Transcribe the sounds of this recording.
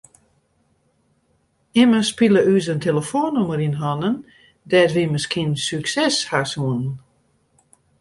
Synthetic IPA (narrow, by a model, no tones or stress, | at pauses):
ɪməspilˠəʔys̬əntʰeləfoːnuməɾinɦɔnən | dɛtʋiməskinsyksɛshasuənn